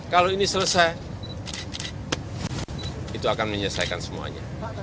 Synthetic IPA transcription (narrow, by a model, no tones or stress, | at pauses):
kaloinisələsaj | it̪uakanməɲəsa̰jka̰nsəmua̰ɲa̰